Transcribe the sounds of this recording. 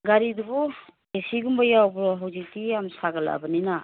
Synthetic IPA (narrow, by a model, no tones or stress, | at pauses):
ɡaɾidubu | esiɡumbajawbɾɔɦawzik̚tijamsaɡala̰ʔbanina